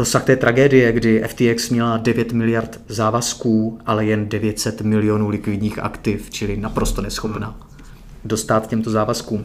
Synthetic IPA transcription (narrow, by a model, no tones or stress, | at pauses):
ɾosaxt̪ɛːt̪ɾʔaɡɛːdɪjɛɡdɪʔɛft̪iːɛksmɲɛladɛvjɛt̪mɪlɪjaɾt̪zaːvaskuːʔalɛjɛndɛvjɛt̪sɛt̪mɪlɪjo̞nuːlɪkvɪdɲiːxʔa̰kt̪ɪft͡ʃɪlɪnapɾo̞st̪o̞nɛsxo̞pna | do̞st̪aːt̪cɛmt̪o̞zaːvaskuːm